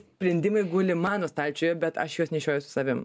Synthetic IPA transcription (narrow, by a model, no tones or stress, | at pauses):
sʲpʲɾʲɛnʲd̪ʲɪmɐɪɡʊlʲɪmɑːnoːst̪ɑlʲt͡ʃʲoːjɛːbʲɛt̪ɐ̰ʃjuɔsnʲɛʃʲoːjʊsʊ̥sɐʋʲɪm